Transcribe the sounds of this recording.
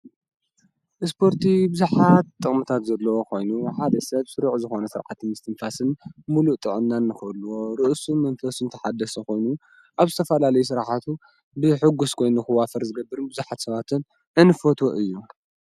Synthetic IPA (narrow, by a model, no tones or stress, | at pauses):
ʔɨspʰo̞ɾt̪ʰibɨzuħat̪ʼːɨχʼmɨt̪ʰat̪zɐlːɐwokʰo̞jnuħad̪ɐsɐβsɨɾuʕzɨxo̞nɐsɨɾʕa̰t̪ʰːɨmɨst̪ʰɨnfasɨnmuluʔt̪ʼɨʕɨnːanːɨxɐlːuwoɾɨʔsumɐnfɐsɨnt̪ʰɐħad̪ɐsɐko̞jnu | ʔaβzɨt̪ʰɐfɐlalɐjus̬ɨɾħat̪ʰu | bɨħɨɡːuskʰo̞jnuxɨwafɐɾzɨɡɐbːɨɾɨnbɨzuħat̪sɐβat̪ʰɨn | ʔɨnɨfot̪ʰoʔɨjːu